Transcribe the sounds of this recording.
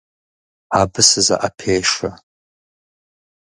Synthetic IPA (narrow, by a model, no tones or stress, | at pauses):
abɨsɨza̰ʔapʰejʂa